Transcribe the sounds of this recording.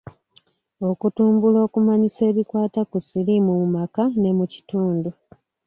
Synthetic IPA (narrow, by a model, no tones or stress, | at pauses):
o̞kutuːmbulo̞ːkumaɲise̞ːβikwaːtakusilimumumakane̞muci̥tuːndu